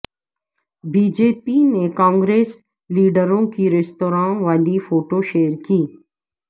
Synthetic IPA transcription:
biːd͡ʒeːpinekãːŋɡɾeːs | liːɖəɾõkiɾɛst̪oːɾãːnʋaːlifoːʈoʃeːəɾkiː

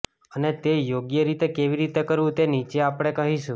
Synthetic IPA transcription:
ənet̪ejoɡjəɾit̪ekeʋiɾit̪ekəɾʋũt̪enit͡ʃeapɽ̃ekəɦiʃũ

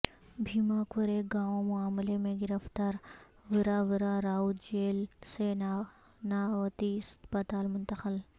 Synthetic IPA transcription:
bʱiːmaːkʋəɾeɡaːõmʊaːmlemẽɡɪɾəft̪aːɾ | ʋɪɾaʋɪɾaːɾaːud͡ʒeːlseː | naːʋɐt̪iɪspət̪aːlmʊnt̪əxəl

